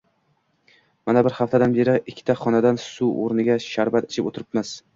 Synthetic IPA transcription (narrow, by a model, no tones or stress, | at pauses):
manabɪɾhaft̪ʰad̪anbe̞ɾɪʔɪkʲʰːɪ̥t̪ʰaχɒnad̪ansuo̰ɾnɪɡʲaʃaɾvat̪ɪ̥t͡ʃʰɪpot̪ʰɪɾɪpmɪz̥